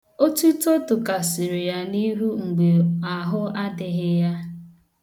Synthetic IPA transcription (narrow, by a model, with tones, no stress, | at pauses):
o˦tu˦to˦tʊ˨ka˨sɪ˨ɾe˨ja˦ni˦ɦu˦ŋ͡m̩˨ɡ͡be˨a˨ɦʊ˦a˦dɪ˨ɣɪ˦ja˦